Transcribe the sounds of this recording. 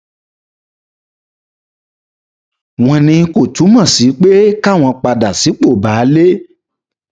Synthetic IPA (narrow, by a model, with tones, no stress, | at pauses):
w̃ɔ̃˧nĩ˧ko˨tu˨˦mɔ̃˦˨si˨˦k͡pe˦ka˦˨w̃ɔ̃˧k͡pa˧da˨si˨˦k͡po˦˨ba˨˦le˦